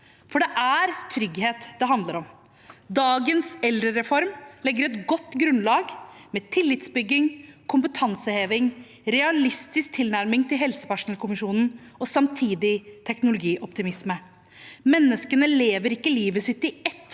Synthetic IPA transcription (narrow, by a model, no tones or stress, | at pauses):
fɔɖɛʔæɾt̪ʰɾʏɡheːt̪d̪ɛɦɑnd̪ləɾɔm | d̪ɑːɡənsɛlɾəɾɛfɔɾmlɛɡːəɾɛt̪ɡɔt̪ːɡɾʉnlɑːɡmɛt̪ʰɪlːɪt̪sbʏɡːɪŋkʰʊmpət̪ʰɑnsəheːʋɪŋ | ɾɛɑlɪst̪ɪsk̚t̪ʰɪlnæɾmɪŋt̪ɪlɦɛlsə̥pæʂʊnəlkʊmɪʂuːnn̩ɔsɑmt̪ʰiːd̪ɪt̪ʰɛknʊlʊɡiːʔɔpt̪ɪmɪsmə | mɛnːəskənəleːʋəɾɪkːəliːʋəsɪt̪ːɪɛt̪ː